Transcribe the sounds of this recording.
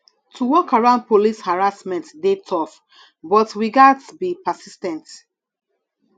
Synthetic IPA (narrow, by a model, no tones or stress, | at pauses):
tʰuwɔkaɹãʊ̃nd̚polishaɹasmɛ̃ntdetʰɔf | bɔtwiɡadtbipəsistɛ̃nt